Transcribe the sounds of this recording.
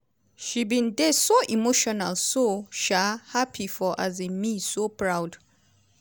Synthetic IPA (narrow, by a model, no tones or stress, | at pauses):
ʃibĩndɛsoʔimoʃɔnalsoʃahapʰifɔʔazĩmisopɹawd